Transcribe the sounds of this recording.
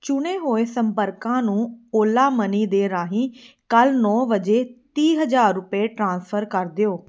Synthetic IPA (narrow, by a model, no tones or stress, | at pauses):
t͡ʃʊɽ̃eːɦoːesəmpəɾkãːnũːoːlaːməniːd̪eːɾaːɦĩː | kəlnɔːʋəd͡ʒeːt̪iːɦəd͡ʒaːɾːʊpeːʈɾãːnspʰəɾkəɾd̪ɪjoː